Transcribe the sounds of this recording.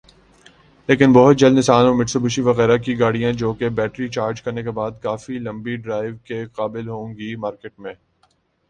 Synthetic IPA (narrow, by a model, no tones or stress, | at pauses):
leːkɪnbɔɦʊt̪̚d͡ʒɐlnɪsaːnoːmɪʈsobʱʊʃiʋɐɣɛːɾakiɡaːɽijãd͡ʒoːkebɛːʈɾit͡ʃaːɾd͡ʒkɐɾnekebaːd̪̚kaːfilɐ̃mbiɖɾaːɪʋkeqaːbɪlɦoːŋɡimaːɾkeːʈ̚mẽː